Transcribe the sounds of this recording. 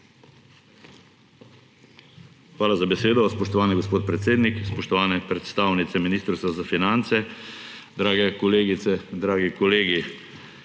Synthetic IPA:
xʋaːlazabɛseːd̪ɔspɔʃt̪ɔʋaːniɡospoːt̪̚pɾɛt̪seːd̪nikspɔʃt̪ɔʋaːnɛpɾɛt̪st̪aːwnit̪sɛminiːst̪ɾst̪ʋazafinant̪sɛ | d̪ɾaːɡɛkɔleːɡit̪sɛd̪ɾaːɡikɔleːɡi

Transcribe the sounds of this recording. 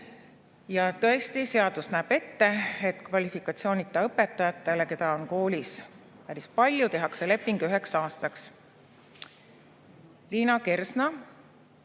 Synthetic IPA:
jɑt̪ɤ̞e̞st̪ise̞ɑd̪̥usnæːb̥e̞t̪ːe̞et̪ːˑkvɑlʲifikːˑɑt̪sio̞ːnit̪ːˑɑɤpːe̞t̪ːˑɑjɑt̪ːˑeleke̞d̪ɑo̞nko̞ːlʲis | pæɾispɑlʲjut̪e̞ɦɑkse̞le̞pːˑiŋɡ̥yɦe̞ksɑːst̪ɑks | liːnɑke̞rsnɑ

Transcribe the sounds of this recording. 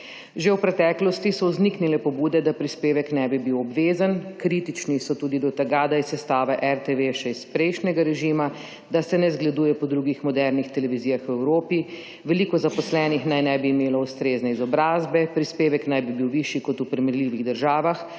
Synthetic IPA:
ʒewpɾɛt̪ɛːklɔst̪isɔzniknilɛpɔbuːd̪ɛd̪apɾispeːʋɛknɛbibiwɔbʋeːzankɾit̪it͡ʃnisɔt̪uːd̪id̪ɔt̪ɛɡad̪ajisːɛst̪aːʋɛʔɛɾt̪eʋeʃɛispɾɛjʃnɛɡaɾɛʒiːma | d̪asɛnɛzɡlɛd̪uːjɛpɔd̪ɾuːɡixmɔd̪ɛɾnixt̪ɛlɛʋiziːjaxwɛwɾoːpi | ʋɛlikɔzapɔslɛːnixnajnɛbiːmeːlɔust̪ɾeːznɛizɔbɾaːzbɛpɾispeːʋɛknajbibiwʋiʃikɔt̪upɾɛmɛɾliʋiɣd̪əɾʒaːʋax

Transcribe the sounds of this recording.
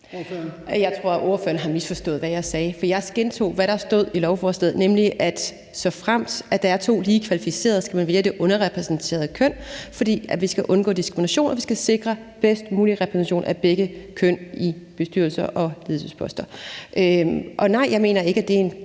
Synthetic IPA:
jɑ̈ɪt͡sʰʁo̝ɐ̰ʔo̝ːɐføːɐnəɦɑ̈misfɒ̽sd̥ɔ̰̽ːð̞̩ˠʋæjɑ̈ɪsɛːfɒjɑ̈ɪsɡ̥ent͡sʰo̝̰ːʋæɾɑ̈sd̥o̝ð̞̰ˠilɒʊfɒsd̥eðˠnemliʔæd̥ | sɒ̽fʁam̰dsæd̥ɑæɐt͡sʰo̝̰ːliːkʰʋælifise̝̰ːɐð̞ˠsɡ̥æmænʋeːɐd̥e̝ʔɔ̽nɐʁɛpʰʁɛsn̩t͡sʰe̝̰ɐð̞ˠkʰøn̰fɒd̥ḭːæʋisɡ̥æʔɔ̽nɡ̥ɔ̰ːd̥isɡ̥ʁiminæɕo̝̰ːnʔɒʋisɡ̥æse̝ɡ̥ʁɐ | b̥esd̥muːliʁɛpʰʁɛsnɕo̝̰ːnæb̥eɡ̥əkʰøn̰ib̥e̝sd̥y̰ɐl̩sɐʔɒ̽liðˠsəspʰɒ̽sd̥ɐʔøʔɒ̽nɑ̈ɪ̰jɑ̈ɪme̝̰ːnɐe̝ɡ̥əæd̥e̝en

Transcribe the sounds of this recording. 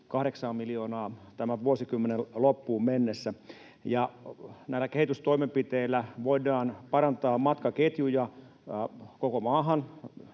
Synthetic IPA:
kɑhɾeksɑːmmilioːnɑːt̪æmæʋuosikymːenellopːuːmmenːesːæ | jɑnæilːækehit̪yst̪oimempit̪eilːæʋoidˑɑːnpɑɾɑnt̪ɑːmɑt̪kɑket̪jujɑ | kokomɑːɦɑn

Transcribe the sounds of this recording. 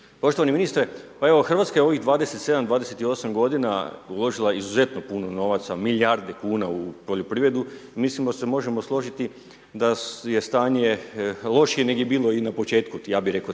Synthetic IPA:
po̞ʃt̪oaniminist̪ɾepae̞ʋoxr̩ʋat̪skajeo̞ʋiɣd̪ʋaːd̪e̞set̪se̞d̪amd̪ʋaːd̪e̞set̪io̞samɡo̞d̪ina̰ulˠo̞ʒilˠaizuze̞t̪no̞punono̞ʋat̪samilʲjaɾd̪e̞kuːnaupo̞ʎopɾiʋɾe̞d̪uimislimoase̞mo̞ʒe̞moslˠo̞ʒit̪i | d̪aje̞st̪aːɲe̞lˠo̞ʃijene̞ɡjebiːlˠo̞inapo̞t͡ʃe̞ːt̪kujaːbiɾe̞ko

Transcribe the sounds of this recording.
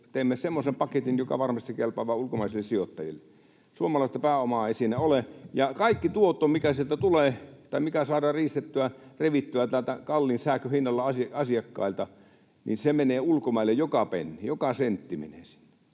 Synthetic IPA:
t̪eˑːmːesemːosempɑket̪injokɑ̰ʋɑrmɑst̪ikelpɑʋˑɑːulkomɑˑisilːessiot̪ːɑjḭlːe | suomɑlɑˑist̪ɑpæːomɑesinæolejɑkɑikːit̪uot̪ːˑoːmikæsielt̪æt̪uleːt̪ɑˑimikæsɑːdɑːriːst̪et̪ːyæreʋit̪ːyæt̪ælt̪ækɑlːinsæːkøhinːɑlːɑɑsɑɑsiɑkːɑ̰ilt̪ɑ | nḭnsemeneːulkomɑˑilːejjokɑpḛnːijokɑsent̪ːimḛneːsi̥n̥ːæ̥

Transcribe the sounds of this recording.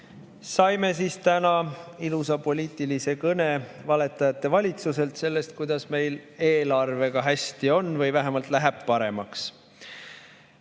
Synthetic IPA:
sɑjme̞siːst̪ænɑilusɑpo̞lʲiːt̪ːˑilise̞kɤnevɑle̞t̪ːˑɑjɑt̪ːe̞vɑlʲit̪suse̞lt̪se̞lːe̞st̪̚kujd̪ɑsme̞jle̞ːlɑrve̞ɡ̥ɑɦæsʲt̪io̞nːvɤjvæɦemɑlt̪læɦɛb̥̚pɑɾe̞mɑks

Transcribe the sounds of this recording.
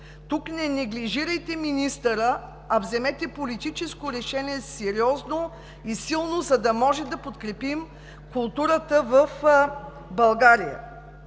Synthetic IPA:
t̪uknɛnɛɡliʒiɾəjt̪ɛminist̪əɾə | ɐvzɛmɛt̪ɛpolit̪it͡ʃɛskoɾɛʃɛniɛsɛɾiɔzno | isilˠnozɐd̪ɐmɔʒɛd̪ɐpot̪kɾɛpim | kʊlˠt̪uɾət̪əvəf | bɐlˠɡaɾijə̰

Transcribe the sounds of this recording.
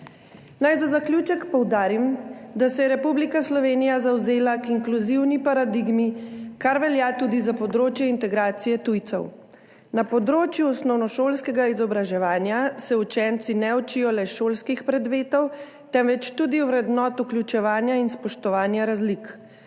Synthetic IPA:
najzazaklʲjut͡ʃɛkpɔwd̪aːɾimd̪asɛjɛɾɛpublikaslɔʋeːnijazawzeːlakiŋkluziwnipaɾad̪iɡmikaɾʋɛljat̪uːd̪izapɔd̪ɾoːt͡ʃjɛint̪ɛɡɾaːt̪sijɛt̪ujt̪sɔ̰w | napɔd̪ɾoːt͡ʃjuɔsnɔwnɔʃoːlskɛɡaizɔbɾaʒɛʋaːnjasɛut͡ʃɛnt̪sinɛɔt͡ʃijɔlɛʃoːlskixpɾɛd̪ʋeːt̪ɔw | t̪ɛmʋɛt͡ʃt̪uːd̪iwʋɾɛd̪nɔt̪uklʲjut͡ʃɛʋaːnjainspɔʃt̪ɔʋaːnjaɾazlik

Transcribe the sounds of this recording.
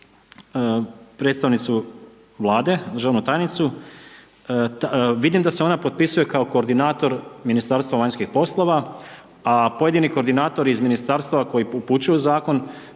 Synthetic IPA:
pɾe̞ːt̪st̪aʋnit̪su | ʋlˠaːd̪e̞d̪ɾr̩ʒaʋnut̪aːjnit̪su | ʋid̪imd̪ase̞o̞napot̪̚pisuje̞kaoko̞ːɾd̪inaːt̪o̞ɾminist̪aːɾst̪ʋaʋaɲskixpo̞slˠo̞ʋa | apo̞je̞d̪iniko̞ɾd̪inaːt̪o̞ɾizminist̪aɾst̪aʋako̞jiuput͡ɕujuzaːko̞n

